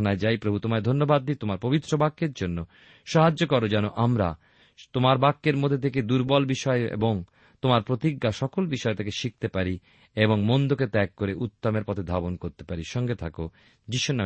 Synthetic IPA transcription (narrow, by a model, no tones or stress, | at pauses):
anaed͡ʑajpɾobʱut̪omaed̪ʱonːobad̪ːit̪omaɾpobit̪ːɾobakːeɾd͡ʑonːo | ʃaɦad͡ʑokɔɾod͡ʑɛnoʔamɾa | t̪omaɾbakːeɾmod̪ʱːet̪ʰeked̪uɾbɔlbiʃɔeḛboŋ | t̪omaɾpɾot̪iɡːaʃɔkolbiʃɔet̪ʰekeʃik̚t̪epaɾi | eboŋmond̪oket̪ɛkːoɾeʔut̪ːomeɾpɔt̪ʰed̪ʱabonkoɾt̪e̥paɾiʃɔŋɡet̪ʰako | d͡ʑiʃunam